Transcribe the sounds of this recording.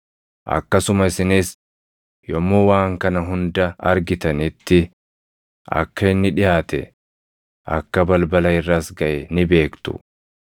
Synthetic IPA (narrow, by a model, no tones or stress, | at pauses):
ʔɐ̰kːɐsʊmɐɪsɪnis | jɔmːoːwaːŋkɐnɐɦʊnd̪ɐɐ̰ɾɡɪt̪ɐnɪt̪ːɪ | ʔɐ̰kːɐɪnːɪᶑɪjaːt̪ɛ̰ | ʔɐ̰kːɐbɐlbɐlɐɪrːɐsɡɐʔɛnɪbe̞ːkt̪ʊ̰